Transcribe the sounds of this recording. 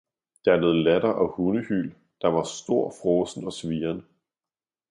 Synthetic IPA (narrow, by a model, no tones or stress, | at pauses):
d̥ɑ̈æɐle̝ːð̞̩ˠlædɐʔɒ̽hunəhy̰l | d̥ɑ̈ʋɑ̈sd̥o̝ɐ̰fʁɔːsn̩ɒ̽sʋiːɐnə